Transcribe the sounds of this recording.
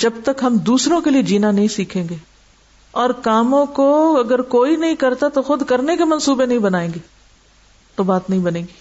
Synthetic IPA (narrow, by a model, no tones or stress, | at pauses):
d͡ʒɐb̚t̪ɐkɦɐmd̪uːsɾõkelied͡ʒiːnanɐɦĩsiːkʰẽːɡeː | ɔːɾkaːmõkoɐɡəɾkoːinɐɦĩkɐɾt̪at̪oxʊd̪kɐɾnekemɐnsuːbenɐɦĩbɐnaːẽːŋɡeː | t̪obaːt̪nɐɦĩbɐnẽːɡiː